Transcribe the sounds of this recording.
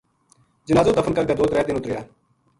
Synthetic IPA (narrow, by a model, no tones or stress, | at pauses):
d͡ʒɪnaːzõːd̪əfənkəɾɡ̪aːd̪oːt̪ɾɛːt̪ɪnʊt̪ɾɪjaː